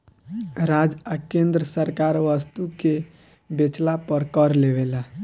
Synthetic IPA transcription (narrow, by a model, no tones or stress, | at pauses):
ɾad͡ʒakẽnd̪ɾəsəɾkaɾʋəst̪uke | bet͡ʃlapəɾkəɾlebela